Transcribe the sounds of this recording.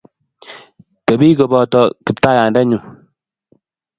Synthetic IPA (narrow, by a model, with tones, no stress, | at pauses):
te˨bi˦ko˨bɔ˨tɔ˨ki˨p̚ta˦ja˨ndɛ˦ɲu˨